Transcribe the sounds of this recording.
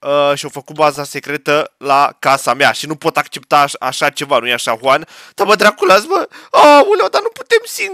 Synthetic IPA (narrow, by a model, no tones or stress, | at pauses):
əʃiowfəkut̪̚bazase̞kɾe̞t̪əlakasameaʃinupo̞t̪ak̚t͡ʃe̞p̚t̪aa̰ʃat͡ʃe̞vanujeaʃaxwand̪̥aməd̪ɾakulasməamulewd̪anupu̥t̪e̞msin